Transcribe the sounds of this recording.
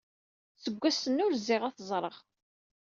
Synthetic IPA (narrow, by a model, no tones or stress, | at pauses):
θəɡʷːæsənːʊɾzɪʁaθzˤɾˤəʁ